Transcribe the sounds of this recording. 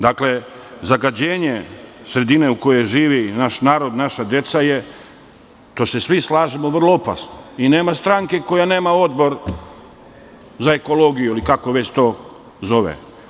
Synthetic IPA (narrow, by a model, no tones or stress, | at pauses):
d̪akle̞ | zaɡad͡ʑe̞ːɲesɾe̞d̪ine̞uko̞jeʒiːʋinaʃnaːɾo̞d̪naʃad̪je̞t̪saje | t̪o̞ːsesʋislaːʒemoʋr̩lˠoopa̰snoine̞ːmast̪ɾaŋke̞ko̞jane̞ːmao̞d̪bo̞ɾ | zae̞ko̞lo̞ɡijuilikako̞ʋe̞t͡ɕt̪o̞ː | zo̞ʋḛ